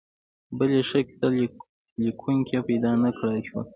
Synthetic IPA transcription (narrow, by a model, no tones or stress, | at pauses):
bəleʃaksal | likʰuŋkʲepajd̪ɑnakɽajʃwu